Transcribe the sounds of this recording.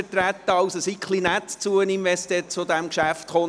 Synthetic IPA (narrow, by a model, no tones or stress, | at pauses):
ətɾæt̪ːəɑʊsəsikʰlinɛt̪t͡suəninʋɛst̪ɛt͡sod̪æmkʃæft̪χo